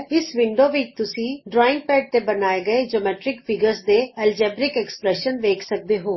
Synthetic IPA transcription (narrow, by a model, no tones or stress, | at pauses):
ɪsʋɪ̃ɳɖoːʋit̪ʊsĩːɖɾɔːɪ̃ŋɡ̚pɛːʈ̚t̪ebənaːeɡəed͡ʒoːmɛːʈɾɪkpʰɪɡəɾzd̪eːɛːld͡ʒɛːbɾɪkɛkspɾɛːʃənʋeːkʰsək̚d̪eːɦoː